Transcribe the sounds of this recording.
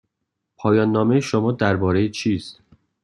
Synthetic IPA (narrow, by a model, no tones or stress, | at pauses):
pʰɒːjɒːnːɒːmejeʃomɒːd̪æɾbɒːɾejet͡ʃʰiːst̪